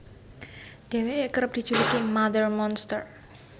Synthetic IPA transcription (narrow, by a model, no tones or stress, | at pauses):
d̪̥e̤weekəɾəp̚d̪̥i̤d͡ʒulikimad̪ərmɔnst̪ər